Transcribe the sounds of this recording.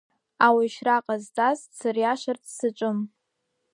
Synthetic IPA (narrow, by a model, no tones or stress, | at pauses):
awiʃraqʼazt͡sʼazsɨrjaʃart͡sʰʼsɨt͡ʃʷʼʊm